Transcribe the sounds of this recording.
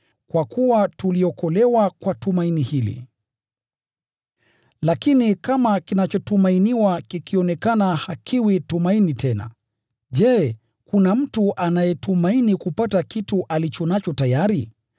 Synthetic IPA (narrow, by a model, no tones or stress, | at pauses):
kwakuwatuliɔkɔlɛwakwatumainihilḭ | lakinikamakinat͡ʃɔtumainiwakikiɔnɛkanahakʰiwitumainitʰɛna̰ | ʄɛː | kunam̩tuʔanajɛtumainikupatakituʔalit͡ʃɔnat͡ʃɔtajaɾi